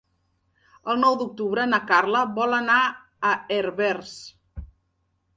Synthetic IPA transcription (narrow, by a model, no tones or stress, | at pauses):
əlˠnɔwd̪uk̚t̪uβɾənəkarləβɔləna | əeɾβɛrs